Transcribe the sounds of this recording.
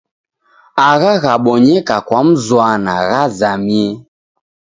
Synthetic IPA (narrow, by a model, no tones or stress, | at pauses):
aɣaɣaɓɔɲɛkakwam̩zwanaɣazamiɛ